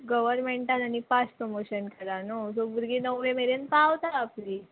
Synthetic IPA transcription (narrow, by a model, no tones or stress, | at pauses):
ɡəʋəɾmeɳʈananipaspɾomoɕənkəɾanosobuɾɡinəʋʋemeɾenp̪aːʋt̪aapliː